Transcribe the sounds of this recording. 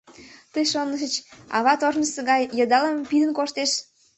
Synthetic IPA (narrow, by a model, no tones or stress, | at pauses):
t̪əjʃonəʃ̬ət͡ɕɑ̰βɑt̪ornəsəɣɑjːəd̪ɑlɑmpid̪ənkoʃt̪eʃ